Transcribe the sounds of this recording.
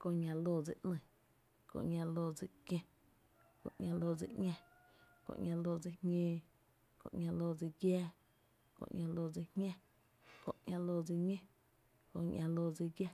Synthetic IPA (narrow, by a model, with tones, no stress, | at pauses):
kõ˧˨ɲʲã˧loː˧˨d͡zi˧˨ʔnɨ̃˧˨ | kõ̰˧ʔɲʲã˧loː˧d͡zi˧kjẽ˧ | kõ̰˧˨ʔɲʲã˧loː˧˨d͡zḭ˧˨ʔɲʲɛ̃˧ | kõ̰˧˨ʔŋʲã˧lo˧d͡zi˧hɲẽː˧ | kõ̰˧ʔŋʲã˧loː˧˨d͡zi˧ɡjɛː˦ | kõ̰˨ʔŋʲã˧lo˧˨d͡zi˧hɲɛ̃˦ | kõ̰˧ʔɲã˧lo˧˨d͡zi˧ɲẽ˦ | kõ˧ɲã˧loː˧d͡zi˧ɡjɛ˦˧